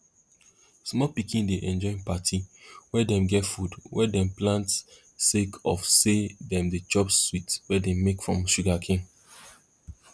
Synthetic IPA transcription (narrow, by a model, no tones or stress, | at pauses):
smɔpikĩndeʔɛ̃nd͡ʒɔɪ̃patʰiwɛdɛ̃mɡɛtfudwɛdɛ̃mplãnt | sekʰɔfsedɛ̃mdet͡ʃɔpsːwitwɛdɛmekfɹɔ̃mʃuɡakʰẽn